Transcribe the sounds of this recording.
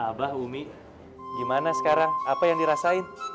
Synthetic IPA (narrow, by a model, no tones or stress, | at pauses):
abahumi | dimanasə̥kaɾaŋapajaŋdiɾasaɪn